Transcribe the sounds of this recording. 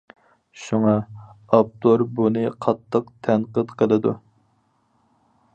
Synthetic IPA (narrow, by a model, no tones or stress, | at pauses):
ʃuŋɑɑp̚t̪ʰoɾbunɨqʰɑt̪ʰːəqt̪ʰɛnqət̪qʰəlˠɨd̪u